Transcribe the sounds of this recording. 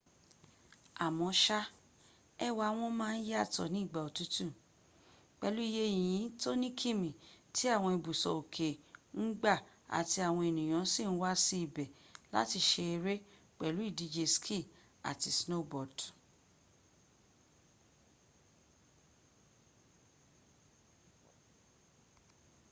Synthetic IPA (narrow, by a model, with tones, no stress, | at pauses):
a˨mɔ̃˧˦ʃa˦ | ɛ˦wa˧˦w̃ɔ̃˦mãː˦˧n̩˦ja˦˨tɔ̰˨nĩ˨˦i˦˨ɡ͡ba˨o˨tu˨˦tũ˦˨ | k͡pɛ˧˨lu˦i˦je˦˨j̃ĩ˨˦to˦nĩ˦kʰi˦˨mĩ˨ti˦a˦˨w̃ɔ̃˧i˨bu˨sɔ̰˨o˨kʰe˨n̩˦ɡ͡ba˦˨ | a̰˨ti˧a˨w̃ɔ̃˧e˨nĩ˨j̃ã˨˦si˦˨n̩˦wa˦si˦i˨bɛ˨la̰˦ti˧ʃe˧e˧ɾe˦ | k͡pɛ˨lu˨˦i˦˨di˨˧d͡ʒe˧skʰi˦˨ | a̰˨ti˧sno˦˨bɔ˨d